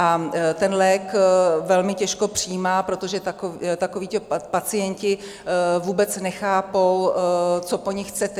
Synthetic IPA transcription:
ʔat̪ɛnlɛːkvɛlmɪcɛʃko̞pr̝̥ɪjːmaːpɾo̞t̪o̞ʒɛt̪akot̪akoviːt̪opat͡sɪjɛɲcɪ | vuːbɛt͡snɛxaːpowt͡so̞po̞ɲɪxt͡sɛt̪ɛ

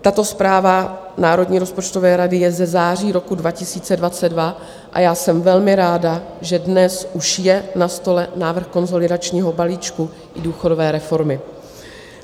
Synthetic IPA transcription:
t̪at̪o̞spɾaːva | naːɾo̞dɲiːɾo̞spo̞t͡ʃt̪o̞vɛːɾadɪjɛzɛzaːr̝iːɾo̞kudvacɪsiːt͡sɛdvat͡sɛdva | ʔa̰jaːsɛmvɛlmɪɾaːda | ʒɛdnɛsʔuʃjɛnast̪o̞lɛnaːvr̩xko̞nzo̞lɪdat͡ʃɲiːɦo̞baliːt͡ʃku | ʔɪduːxo̞do̞vɛːɾɛfo̞ɾmɪ

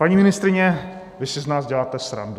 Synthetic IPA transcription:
paɲiːmɪnɪst̪ɾɪɲɛ | vɪsɪznaːzɟɛlaːt̪ɛsɾa̰ndu

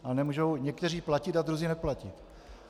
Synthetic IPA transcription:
ʔanɛmuːʒowɲɛkt̪ɛriːplacɪt̪ad̪ɾuziːnɛplacɪt̪

